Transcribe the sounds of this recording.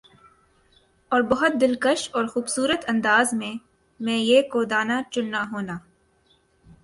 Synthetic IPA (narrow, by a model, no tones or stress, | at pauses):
ɔːɾbɐɦʊt̪̚d̪ɪlkəʃɔːɾxuːbsuːɾət̪ɐ̃nd̪aːzmẽ | mɛ̃ːjeːkoːd̪aːnat͡ʃʊnːaɦoːnaː